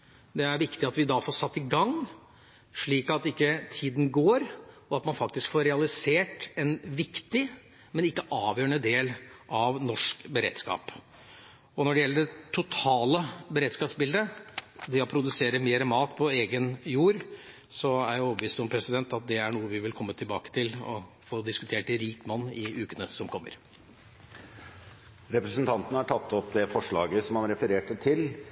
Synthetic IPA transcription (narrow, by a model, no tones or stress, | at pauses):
d̪ɛæɾʋɪkt̪ɪɑt̪ʋɪd̪ɑfoːsɑt̪ːɪɡɑŋː | ʂɭiːkɑt̪ɪkːət̪ʰiːd̪n̩ɡoːɾ | ɔɑt̪mɑnfɑkt̪ɪskfoːɾɛɑlɪseːʈɛnʋɪkt̪ɪ | mɛnɪkːəʔɑːʋjøːəɳəd̪eːlʔɑʋnɔʂkbəɾḛːd̪̥skɑ̰ːp | ɔnɔɖɛjɛlːəɖɛt̪ʰʊt̪ʰɑːləbəɾeːd̪skɑːpsbɪld̪əd̪ɛɔpʰɾʊd̪ʉseːɾəmeːɾəmɑːt̪pʰɔeːɡənjuːɾ | sɔæɾjæɔbəʋiːst̪ɔmpʰɾɛsɪd̪ɛnt̪ɑt̪̚d̪ɛæɳuːəʋɪʋɪlkʰɔmːət̪ʰɪlbɑ̰ːkə̥t̪ʰɪlɔ̰ | foːd̪ɪskʉ̥t̪ʰeːʈɪɾiːkmɑnːɪʉːkənəsɔmkʰɔmːə̰ɾ | ɾɛpɾəsnt̪ʰɑnt̪ənəhɑʈʰɑt̪ʰːɔpd̪ɛfɔʂɭɑːɡəsɔmɑnɾɛfəɾeːʈət̪ʰɪl